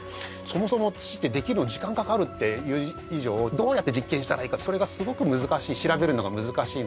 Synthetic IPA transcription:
so̞mo̞so̞mo̞t͡si̥t̪ːe̞d̪e̞kʲiɾɯ̟nod͡ʑikãŋkakaɾɯ̟t̪ːe̞jɯ̟ː | iʑo̞ːd̪o̞ːjat̪ːed͡ʑikːẽ̞ɕi̥t̪aɾaiːkaso̞ɾe̞ɡasɨɡo̞kɯ̟mɯ̟zɨkaɕiːɕiɾabe̞ɾɯ̟no̞ɡamɯzɨkaɕiːn

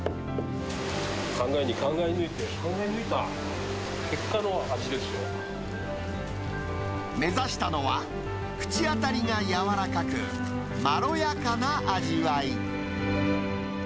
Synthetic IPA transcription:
kãŋɡaeɲ̟ikãŋɡaeɲiɯit̪e | ke̞kːanoat͡ɕid̪esɨ̥ɕoːa | me̞zaɕi̥t̪ano̞βa | kɯ̟̥t͡ɕiat̪aɾʲiɡajaβaɾakakɯ̟ | maɾo̞jakanaʔaʑiβai

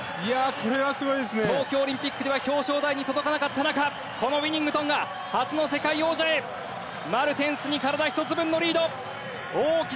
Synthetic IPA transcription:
iakʰo̞ɾe̞βasɨɡo̞id̪esɨnet̪o̞ːkʲo̞ːɾʲĩmpʲikːɯ̟d̪e̞βaço̞ːɕo̞ːd̪aiɲ̟it̪o̞d̪o̞kanakat̪ːanaka | ko̞no̞βʲiɲ̟ĩŋɡɯ̟t̪õ̞ŋɡa | hat͡sɨno̞se̞kaio̞ːʑae̞ | maɾɯ̟t̪ẽ̞ɰ̃sɨɲ̟ikaɾad̪açi̥t̪o̞t͡sɨbɯ̟̃nːo̞ɾʲiːd̪o̞ | oːkʲi

